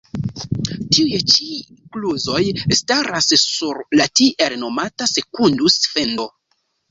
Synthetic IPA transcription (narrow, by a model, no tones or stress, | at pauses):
tiujt͡ʃi | kluzo̞jstaɾassuɾlatiʔelno̞matase̞kundusfe̞ndo̞